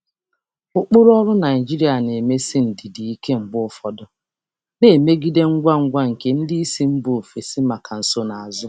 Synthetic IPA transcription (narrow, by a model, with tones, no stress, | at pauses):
ʊ˦k͡pʊ˦ɾʊ˦ɔ˦ɾʊ˦na˨ɪ˨d͡ʒi˦ɾi˦a˨ne˨me˦si˦n̩˨dɪ˨di˨i˦ke˦ŋ͡m̩˨ɡ͡bʊ˦fɔ˦dɔ˦ | ne˨me˦ɡi˦de˦ŋ̩˦ɡʷa˦ŋ̩˦ɡʷa˦ŋ̩˨ke˨n̩˦di˦i˦si˦m̩˦bʊ˨o˨fe˨sɪ˦ma˨ka˨n̩˨so˦na˨a˨zʊ˦